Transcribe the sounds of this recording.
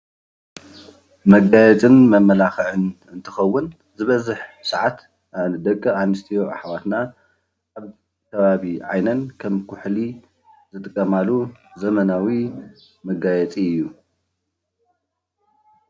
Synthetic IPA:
mɐɡajɛt͡sʼɨnmɐmːɐlaxɨʕɨn | ɨnt̪ʰɨxɐwːʊn | zɨβɐzɨħsɨʕat̪ | ad̪ɐkʼːɐanɨst̪ʰijo̞ʔa̰ħwat̪na | aβ | kʰɐβaβiʕa̰jnɐnkʰɐmkʰʊħli | zɨt̪ʼɨkʼːɐmaluzɐmɐnawi | mɐɡajɛt͡sʼiɨjːu

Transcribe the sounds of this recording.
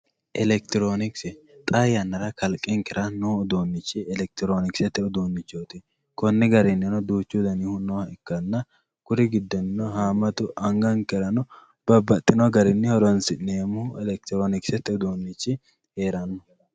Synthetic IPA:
ʔɛlɛk̚t̪ɪɾonɪksɛt̪ʼajɐnːɐɾɐkʰɐlkʼːɪŋkɪɾʔɐnoːʊd̪oːnːɪt͡ʃːɪɛlɛk̚t̪ɪɾoːnɪksɛt̪ːɛʊd̪oːnːɪt͡ʃːoːt̪ɪ | kɔnːɪɡɐɾɪnːɪnɔd̪uːt͡ʃːud̪ɐnihʊnɔɐɪkːɐnːɐ | kʊɾɪɡɪd̪ːɔnːɪnɔhaːmːɐt̪ʊʔɐŋɡɐŋkɛɾɐnɔ | b̥ɐbːɐt̪ʼːɪnɔɡɐɾɪnːɪhɔɾɔnsɪneːmʊɛlɛk̚t̪ɪɾoːnɪksɛt̪ːɛʊd̪oːnːɪt͡ʃːɪ | he̞ːɾɐnːɔ

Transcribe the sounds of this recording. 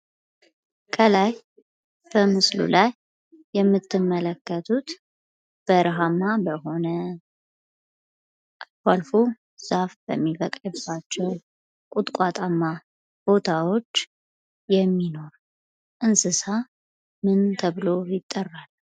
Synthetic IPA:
kʰəlaj | b̥əmɨslṵlajː | ɛmːɨt̪ːɨmːələkːət̪ʰut̪ | b̥əɾɦamːabəɦo̞nə | kalfu | z̥afb̥ə̰mːifəkʼəbːat͡ʃːɛw | kʼut̪ʼkʷʼat̪ʼamːa | b̥o̞t̪ʰawo̞t͡ʃː | jɛmːino̞ɾ | ʔɨnsɨsa | mɨnt̪ʰəβɨlo̞jɪt̪ʼːərːal

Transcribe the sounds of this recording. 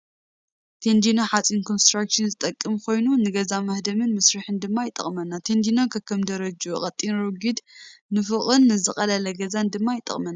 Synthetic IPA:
t̪ʰend̪inoħat͡sʼinkʰonst̪ɾakʃɨnzɨt̪ʼɐkʼːɨmkʰo̞jnunɨɡɐzamɐhd̪ɐmɨnmɐsɾɨħɨnd̪ɨmːajɪt̪ʼːɐ̰χʼmɐnːat̪ʰend̪inokʰɐkʰːɐmd̪ɐɾɐd͡ʒuχʼɐt̪ʼːinɾoɡid̪nɨfɨχʼɨnːɨzɨxʼɐlɐlɐɡɐzand̪ɨmːajɪt̪ʼːɐ̰χʼmɐnːa

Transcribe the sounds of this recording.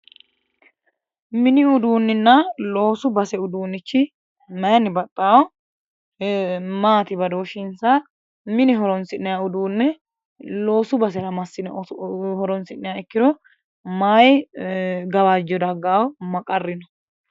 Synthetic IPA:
mɪnɪʊd̪uːnːɪnːɐlo̞ːsʊbɐsɛʊd̪uːnːɪt͡ʃːɪ | mɐjɐnːɪbɐt̪ʼːaːwɔ | maːt̪ɪbɐd̪oːʃɪnsa | mɪnɪɦɔɾɔnsɪnːɛjaʊd̪uːnːɛ | lo̞ːsʊbɐs̬ɛɾɐmɐsːɪnhɔɾɔnsɪnːɛjaɛkːɪd̪ɔ | maːj | ɡɐwaːd͡ʒɔd̪ɐɡːaːwɔmɐkʼɐrːɪnɔ

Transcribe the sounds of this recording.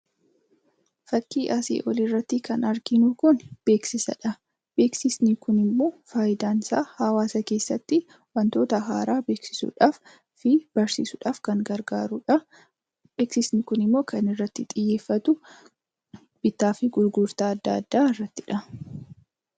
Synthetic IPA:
fɐkːiːʔɐsḛːʔɔlɪrːɐt̪ːɪkɐnɐɾɡɪnukʊnb̥e̞ːksɪsɐ̰ᶑɐ | b̥e̞ːksɪsnɪkʊnɪmːo̞ːfaːjɪd̪aːnsaːhɐwaːsɐke̞ːsːɐt̪ːɪ | wɐnt̪o̞ːt̪ɐɦa̰ːɾaːbe̞ːksɪ̥sṵᶑaːf | fɪb̥ɐɾsḭːsʊᶑaːfkɐŋɡɐɾɡaːɾʊᶑɐ | be̞ːksɪsnɪkʊnɪmːo̞ːkɐnɪrːɐt̪ːɪt̪ʼɪjːe̞ːfːɐt̪ʊ | b̥ɪt̪ːaːfɪɡʊɾɡʊɾt̪aːd̪ːɐːd̪ːaːɪrːɐt̪ːɪᶑɐ

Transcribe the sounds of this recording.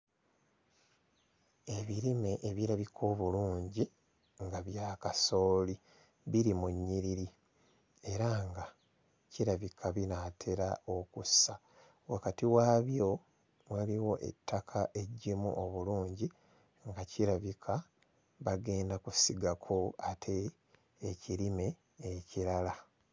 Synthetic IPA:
e̞βiɾime̞ʔeβiɾaβikʰo̞ːβuluːɲɟi | ŋɡaβjaːkaso̞ːli | βiɾimuɲːiɾiɾi | e̞ɾaŋɡa | ciɾaβikʰaβinatʰe̞ɾao̞kusa | wakatiwaːβjo̞ | waliwo̞ʔḛtːakʰaʔe̞ɟːimṵoβuluːɲɟi | ŋɡaciɾaβikʰa | βaɡe̞ːndakusiɡakʰo̞atʰe̞ː | ciɾime̞ː | ciɾala

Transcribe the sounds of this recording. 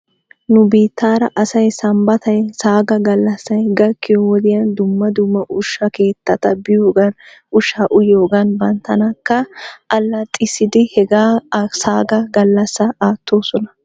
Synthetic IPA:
nʊbiːt̪ːaːɾɐʔɐsɐjsɐmbɐt̪ɐjsaːɡɐɡɐlːɐsːɐjɡɐkːɪjɔwɔd̪ɪjɐnd̪ʊmːɐd̪ʊmːɐʔʊʃːɐke̞ːt̪ːɐt̪ɐbɪjoːɡɐnʊʃːaːʔʊjo̞ːɡɐnbɐnt̪ɐnɐkːɐʔɐlːɐt̪ʼɪsɪd̪ɪhɛɡaːsaːɡɐɡɐlːɐsːɐaːt̪ʰːo̞ːsɔnɐ̥

